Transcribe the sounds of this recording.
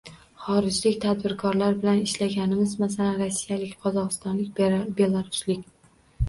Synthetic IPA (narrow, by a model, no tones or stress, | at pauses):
χɒɾɪd͡ʒlɪkʲt̪ʰad̪bɪɾkʰɒɾlaɾbɪlanɪʃlaɡʲanɪmɪzmasalanɾasːijalɪkʲqʰɒzɒqɨst̪ɒnlɪk̚ʲbe̞lˠaɾʊslɪkʲ